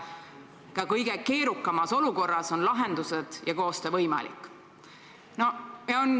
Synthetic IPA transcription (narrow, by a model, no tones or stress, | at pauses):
kɑkɤjɡ̥eke̞ːɾukːˑɑmɑso̞luko̞rːɑso̞nlɑɦe̞nd̪̥used̪̥jɑko̞ːst̪evɤjmɑ̰lḭkːˑ | no̞jɑon